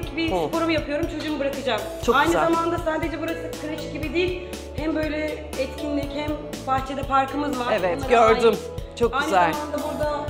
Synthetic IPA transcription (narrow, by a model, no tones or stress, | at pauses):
cbispʰo̞ɾumujapʰɯjo̞ɾumt͡ʃʰo̞d͡ʒuːmɯbɯɾakɯd͡ʒam | t͡ʃʰoajnɯzzamand̪asaːd̪e̞d͡ʒɛbuɾasɯkʰɯɾɯʃɯ̥ɟibid̪iːilʲ | hɛmbø̞jlʲɛ | ɛt̪cʲʰinlʲichɛm | paht͡ʃʰed̪ɛfaɾkʰɯmɯzvaɾevɛɡøɾd̪ym | t͡ʃʰok̚ayjnzɛlamand̪abuɾd̪a